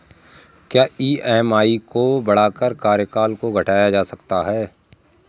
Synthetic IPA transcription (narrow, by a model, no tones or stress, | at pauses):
kjaːiːɛɦmaːikobɐɽaːkəɾkaːɾjəkaːlkoɡʱɐʈaːjad͡ʒaːsɐkt̪aɦɛː